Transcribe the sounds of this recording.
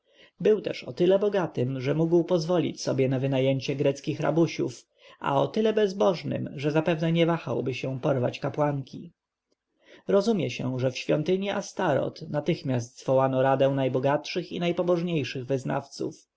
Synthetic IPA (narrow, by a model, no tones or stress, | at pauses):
bɘwt̪ɛʂɔ̰t̪ɘlɛbɔɡat̪ɘmʐɛmuɡwpɔzvɔlʲḭt͡ɕsɔbjɛnavɘnajɛɲt͡ɕɛɡɾɛt̪skʲixɾa̰buɕṵf | ʔa̰ɔt̪ɘlɛbɛzbɔʐnɘ̰mʐɛzapɛvnɛɲɛvaxawbɘɕɛ̃pɔɾva̰t͡ɕkapwaŋkʲʰi | ɾɔzumʲjɛɕɛ̃ʐɛfɕfʲjɔnt̪ɘɲiʔast̪aɾɔ̰t̪nat̪ɘxmʲjast̪zvɔwanɔɾad̪ɛw̃najbɔɡatʂɘxḭnajpɔbɔʐɲejʂɘɣvɘzna̰ft̪sṵf